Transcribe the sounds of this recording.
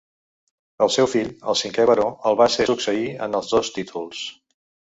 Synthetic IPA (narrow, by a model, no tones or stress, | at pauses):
əlˠsɛwfiʎə̰lˠsiŋkɛβəɾoəlˠβasesuksəiə̰nəlˠzðost̪it̪ʰulˠs